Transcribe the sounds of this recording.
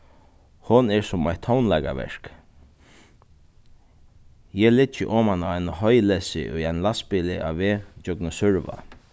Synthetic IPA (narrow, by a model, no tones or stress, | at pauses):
hʊnɛɹsʊmajt̪ʰːɔwnlɛka̰ʋɛ̰ɹk | jɛlɪt͡ʃːɪʔɔːmanaajnaɦɔjlɛsɪ̰ʔʊ̰jajnlaspɪlɪʔa̰ʋeːt͡ʃœknʊsʏɹʋa̰